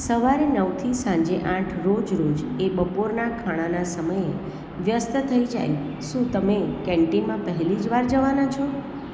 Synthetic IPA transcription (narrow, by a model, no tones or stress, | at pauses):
səʋaɾenəʋt̪ʰisãɲd͡ʒeʔãʈʰɾod͡ʒɾod͡ʒebəpoɾnakʰaɽ̃anasəməje | ʋjəst̪t̪ʰəid͡ʒa̰j | ʃũt̪əmekɛ̃ɳʈimãpəɦɛlid͡ʒʋaɾd͡ʒəʋanat͡ʃʰɔ